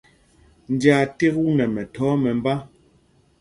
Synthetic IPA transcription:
n̩˨˦d͡ʒja˨te˦ku˦nɛ˨mɛ˨tʰɔː˨˦mɛ˨m˦ba˦

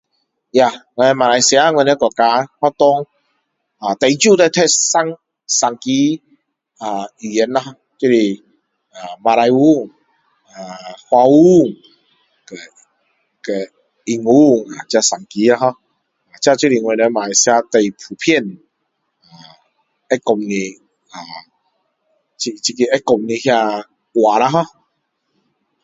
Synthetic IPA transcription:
ja˧˨ŋɛ˧n˧mã˨ɾa˧jsja˧˦ŋwɛ˧ne˧kɔ˨˩t̚ka˧˦hwa˦t̪ɔ˧˦ŋ | a˨t̪e˨jt͡ɕju˥˧˨t̪e˧˨t̪ʰɛ˦˧˩sa˦ŋ | sa˨˩ŋki˦ | a˨i˨˩jɛ˨˦na˧hɔ˧ | t͡ɕi˦li˧ | a˨mã˧ɾa˧ju˦ŋ | a˨hwa˧u˦ŋ | ke˨ | ke˨ | i˧ŋu˦ŋa˨t͡ɕja˧sa˨˩ŋki˧˦a˧˦ɦɔ˧ | a˨t͡ɕja˧t͡ɕi˦ɾi˧˨ŋwɛ˧˨ne˧˦mã˨i˨sja˧t̪e˧˩jpʰu˨pʰjɛ˥˧˨n | a˨ | ɛ˦kɔ˧mnĩ˧ | a˨ | t͡ɕi˧t͡ɕi˧ki˧ɛ˦kɔ˧˨mnĩ˧hja˧ | wa˨ɾa˧˦ɦɔ˧

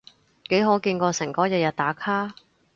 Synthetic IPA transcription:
ke˨˥jɦoː˨˥kiː˧nkɔː˧sɪ˨˩ŋkɔː˨˥jɐ˨t̚jɐ˨t̪̚t̪aː˨˥kʰaː˥

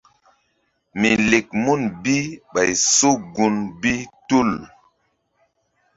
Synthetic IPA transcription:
mi˨le˨k̚mu˦nbi˦ɓa˨jso˦ɡu˨nbi˦tu˦˨l

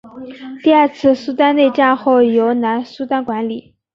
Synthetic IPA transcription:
t̪i˥˧a˥˧t͡sʰɹ̩˥˩su˥t̪a˥nne˥˧ɪt͡ɕja˥˧xo˥˩ʊjo˧˥ʊna˧˥nsu˥t̪a˥nkwa˧˥nli˨˩˦

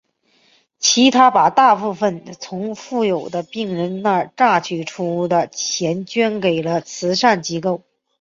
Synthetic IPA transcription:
t͡ɕʰi˧˥t̪ʰa˥pa˨˩t̪a˥˧pu˥˩fə˨˩nt͡sʰʊ˧˥ŋfu˥˩jo˨˩ʊd̪ə˦pi˥˩ŋɻə˧˥nna˥˧ʈ͡ʂa˥˩t͡ɕʰy˥˩ʈ͡ʂʰu˥d̪ə˧t͡ɕʰjɛ˧˥nt͡ɕɥɛ˥nke˨˩ɪlə˦t͡sʰɹ̩˧˥ʂa˥˩nt͡ɕi˧˥ko˥˩ʊ

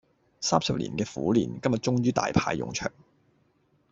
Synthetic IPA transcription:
saː˥msɐ˨p̚lḭː˨˩nkɛː˧fṵː˨˥liː˨˩nkɐ˥mjɐ˨˩t̚t͡ʃʊ˥ŋjyː˥t̪a̰ː˨jpʰa̰ː˧jːʊ̰˨ŋt͡ʃʰœ̰ː˨˩ŋ

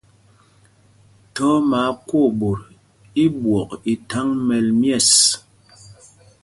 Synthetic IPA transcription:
tɔ˦ma˨˦kwo˦˨bo˨ɾ | i˦bwɔ˨ki˨tʰa˦ŋmɛ˨lmjɛ˦˨s

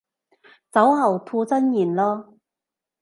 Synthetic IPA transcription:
t͡sɐ˨˥wɦɐ˨˩wt̪ʰuː˧t͡sɐ˥njiː˨˩nlɔː˥

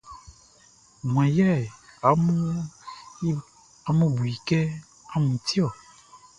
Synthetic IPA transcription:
mũ˨ã˨ja˦ɛ˨a˨˦mũ˦ | a˨mũ˦bu˨i˨kɛ˦ | a˨˦mũ˨t̪i˦ɔ˨

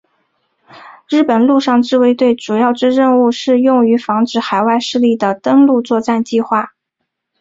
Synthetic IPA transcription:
ɻɻ̩˥˩pə˨˩nlu˥˧ʂɑ˥˧ŋʈ͡ʂɻ̩˥˧we˥ɪt̪we˥˩ɪʈ͡ʂu˨˩jɑ˥˩ʊʈ͡ʂɻ̩˥ɻə˥˧nu˥˧ʂɻ̩˥˧jʊ˥˩ŋy˧˥fɑ˧˥ŋʈ͡ʂɻ̩˨˩xa˨˩ɪwa˥˧ɪʂɻ̩˥˧li˥˩d̪ə˩t̪ə˥ŋlu˥˧t͡swɔ˥˧t͡sa˥˧nt͡ɕi˥˧xwa˥˩

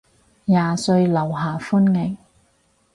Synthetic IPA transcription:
jaː˨sɵ˧ɥlɐ˨˩wɦaː˨˩fuː˥nŋɪ˨˩ŋ

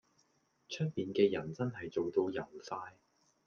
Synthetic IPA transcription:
t͡ʃʰœ˥k̚miː˨nkɛː˧jɐ˨˩nt͡sɐ˥nɦɐ˨jt͡so˨wt̪o˧wjɐ˨˩nfaː˧j

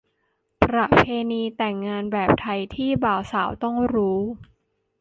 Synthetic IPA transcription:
pɾa˧˩pʰeː˧niː˧t̪ɛ˨˩ŋːaː˧nbɛː˨˩p̚t̪ʰa˧jt̪ʰiː˥˩baː˨˦wsaː˩˦wt̪ɔ˥˩ŋɾuː˦˥

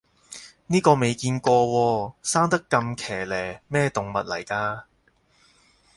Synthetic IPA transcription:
niː˥kɔː˧me˨˧jkiː˧nkɔː˧wɔː˧saː˥ŋt̪ɐ˥kːɐ˧mkʰɛː˨˩lɛː˨˩mɛː˥t̪ʊ˨ŋmɐ˨t̚lɐ̰˨˩jkaː˧

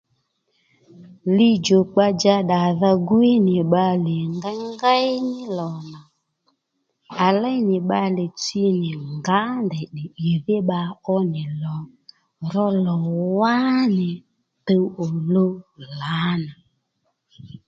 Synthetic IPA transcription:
li˦d͡ʒo˨k͡pa˦d͡ʒa˧ɗa˨ða˦ɡwi˦nɪ˨ɓa˧lɪ˨ŋɡa˦ŋɡa˦jnɪ˦lɔ˨na˨ | a˨la˦jnɪ˨ɓa˧le˨t͡si˦nɪ˨ŋɡa˨˦ndɛ˨ɗɪ˨ɗe˨ðɪ˦ɓa˧ɔ˦nɪ˨lɔ˨ | ɾɔ˦lɔ˨wa˦nɪ˨ | te˦wo˨lo˦la˨˦na˨

